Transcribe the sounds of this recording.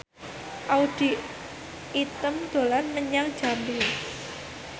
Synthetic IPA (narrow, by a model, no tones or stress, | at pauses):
ʔaud̥i̤ | it̪əmd̪̥o̤lanməɲaŋd̥d͡ʒ̥a̤mbiŋ